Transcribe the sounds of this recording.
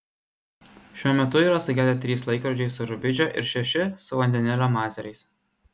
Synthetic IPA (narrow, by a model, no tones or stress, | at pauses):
ʃʲuɔmʲɛt̪ʊiːˑɾɐsʊɡʲæːlʲɛt̪ʲɾʲiːslˠɐɪkʋɐd͡ʒʲɛɪsʊɾʊbʲɪd͡ʒʲoːʔɪ̰ɾʃʲɛʃʲɪsʊʋɐnʲd̪ʲɛnʲælʲoːmɑːzʲɛɾʲɐɪs